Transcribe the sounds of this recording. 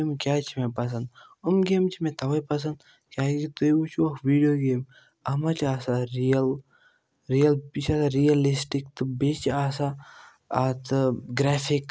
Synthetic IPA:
emkʲjaːt͡ʃʰimẽpɐs̬ɐnd̪ | umɡeːmt͡ʃʰimẽt̪ʰɐʋɐjpɐs̬ɐnd̪ | kʲaːkit̪uiut͡ʃʰiʋɐkʋiːɖijoːɡeːm | ɐmat͡ʃaːsaɾijɐl | ɾijɐlbit͡ʃʰasaɾijɐlisʈikt̪ɨbet͡ʃaːsaː | t̪ʰɡɾɛːfʰik

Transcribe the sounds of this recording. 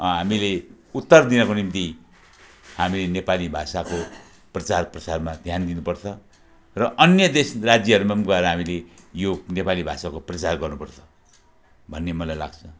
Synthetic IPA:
ɦamile | ut̪ːʌrd̪inʌkonimt̪i | hamilenepalibʱasako | prʌt͡sarprʌt͡sarmad̪ʱjand̪inupʌrt͡sʰʌ | rʌʔʌnjʌd̪esrad͡zjʌɦʌɾumanɡʌeɾʌɦamilejonepalibʱasakoprʌt͡sarɡʌrnupʌrt͡sʰʌ̥ | bʱʌnːemʌlajla̰ɡt͡sʰʌ

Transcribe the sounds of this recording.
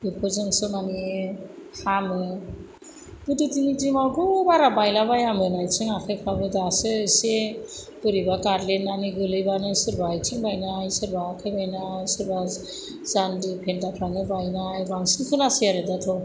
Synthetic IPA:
epʰɔzɯŋsɯnani | hamɯ | b̥ɯdɯtinitimawɡɔbaɾabajlabajamɯnajt͡ʃɯŋakʰajkʰabɯdasɯse | b̥ɯɾibakaɾlenːaniɡɯlɯjbanɯsɯɾbajt͡ʃʰɯŋbajnajsɯɾbakʰajbajnajsɯɾba | zandipʰentapʰɾaŋɯbajnajbaŋsɯŋkʰɯnasijaɾɯdatʰɯ

